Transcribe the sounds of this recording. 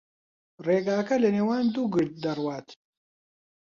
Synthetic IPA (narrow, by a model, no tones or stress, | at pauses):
reːɡaːkɐlɐneːwaːnd̪uːɡɨɽt̪̚d̪ɐrwaːt̪